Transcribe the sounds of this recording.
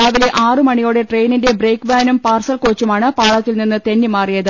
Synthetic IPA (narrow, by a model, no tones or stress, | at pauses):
aːʋile̞ʔaːrɨmɐɳijoːɽe̞ʈrejninde̞brejkbaːnumpaːrsɐlkoːt͡ɕːumaːɳɨpaːɭɐt̪ːilninːɨt̪e̞nːimaːrijɐðɨ